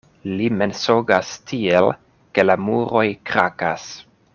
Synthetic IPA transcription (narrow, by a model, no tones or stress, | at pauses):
limensoɡastʰiel | ke̞lamuɾo̞jkɾakas